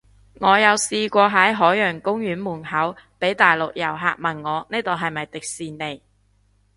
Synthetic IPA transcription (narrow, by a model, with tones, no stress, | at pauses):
ŋɔː˨˧jɐ˨˧wsiː˧kʷɔː˧ɦɐ˨˥jɦɔː˨˥jœː˨˩ŋkʊ˥ŋjyː˨˥nmuː˨˩nɦɐ˨˥wpe˨˥jt̪aː˨jlʊ˨k̚jɐ˨˩wɦa̰ː˨˧k̚mɐ˨˩nŋɔː˨˧neː˥t̪o˨˧wɦɐ˨jmɐ˨jt̪ɪ˨k̚siː˧nne˨˧j